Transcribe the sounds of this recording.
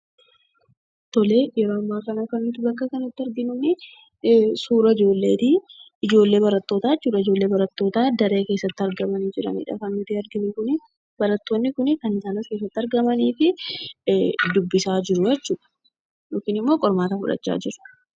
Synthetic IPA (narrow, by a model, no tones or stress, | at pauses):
t̪ɔle̞ːjɛɾoːɐmːaːkɐnɐkɐnːʊt̪ːɪbɐkːɐkɐnɐɪt̪ːɪɐɾɡɪnʊnɪ | suːɾɐɪd͡ʒo̞ːlːe̞ːt̪ɪ | ɪd͡ʒo̞ːlːe̞ːbɐɾɐt̪ːo̞ːt̪aːjɛt͡ʃːuːᶑɐɪd͡ʒoːlːe̞ːbɐɾɐt̪ːo̞ːt̪aːd̪ɐɾe̞ːke̞ːsːɐt̪ːɪɐɾɡɐmɐniːd͡ʒɪɾɐ̰nḭːᶑɐkɐnːʊt̪ɪɐɾɡɪnɪkʊnɪ | b̥ɐɾɐt̪ːoːnːɪkʊnɪkɐnɪt̪aːnɐske̞ːs̬ːɐt̪ːɪɐɾɡɐmɐniːfɪ | d̪ʊbːɪsaːd͡ʒɪɾʊjɛt͡ʃːuːᶑɐ̥ | noːkɪnɪmːo̞ːkʼɔɾmaːt̪ɐfʊᶑɐ̰t͡ʃːa̰ːd͡ʒɪɾʊ̥